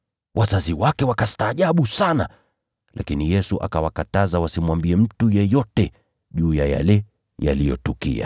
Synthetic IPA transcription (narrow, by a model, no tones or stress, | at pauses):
wʔazaziwakɛwakastaːʄaɓusana̰ | lʔa̰kinijɛsuʔa̰kawakatazawasimwambiɛm̩tujɛjɔtɛ | ʄuːjaja̰lɛ | ja̰lijɔ̰tukḭa̰